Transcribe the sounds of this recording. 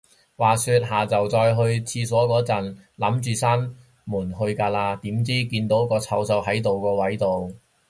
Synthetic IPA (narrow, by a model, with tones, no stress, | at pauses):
waː˨˩syː˧t̚ɦaː˨t͡sɐ˨wt͡sɔː˧jɦɵ˧ɥt͡sʰiː˧sɔː˨˥kɔː˨˥t͡sɐ˨˩nlɐ˨˥mt͡ʃyː˨sa˥n | muː˨˩nɦɵ˧ɥkaː˧laː˧t̪iː˨˥mt͡siː˥kiː˧nt̪o˨˥wkɔː˧t͡sʰɐ˧wsɐ˧wɦɐ˨˥jt̪o˨wkɔː˧wɐ˨˥jt̪o˨w